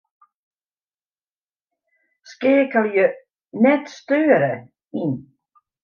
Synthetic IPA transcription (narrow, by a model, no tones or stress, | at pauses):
skeːkəljə | nɛt̪st̪øːɾə | in